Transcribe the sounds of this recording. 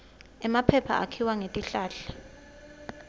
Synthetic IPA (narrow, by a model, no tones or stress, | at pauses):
ɛmapʰɛpʰa̰ʔa̰kʰiwaŋetʼiɬaːɬɛ̥